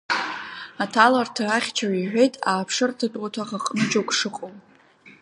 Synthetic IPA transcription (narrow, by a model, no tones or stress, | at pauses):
atʰalartʰaaχʲt͡ʃʰariħᶣe̞jtʼaːpʰʂɨrtʰɨtʼatʰaχaqʼənt͡ʃokʷʰʼʂɨqʼow